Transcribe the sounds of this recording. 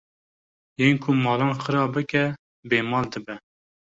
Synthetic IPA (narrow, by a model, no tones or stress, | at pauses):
jeːnkʰʊmɑːlɑːnχəɾɑːbɨkɛ | beːmɑːld̪ɨbɛ